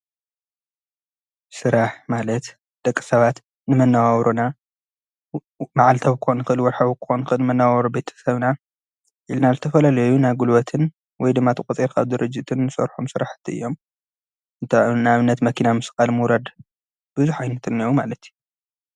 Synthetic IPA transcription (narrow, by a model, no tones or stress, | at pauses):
sɨɾaħmalɐt̪ | d̪̥ɐkʼːɨ̥sɐβat̪ | nɨmɐnːawawɾuna | maʕalt̪ʰɐβkonɨxɨʔɨlwɔɾħaβkʰɨ̥xonɨxɨlnɨmɐnːawawɾube̞t̪ʰɐ̥sɐβna | ʔilnazɨt̪ʰɐfɐlalɐjunajɡulwɐt̪ʰɨn | wɔjd̪ɨmːat̪ʰɨkʼt͡s̪ʼiɾkʰaβd̪ɨɾɨd͡ʒːɪt̪ʰɨnːɨsɐ̰ɾħomsɨɾaħt̪ʰːiɨ̰jːo̞m | ɨnt̪ʰanaβɨnːɐt̪mɐkʰinamɨsɨkʼalmɨwɾɐd̪ | b̥ɨzuħajnɐt̪ʰɨnːiwumalɐt̪ju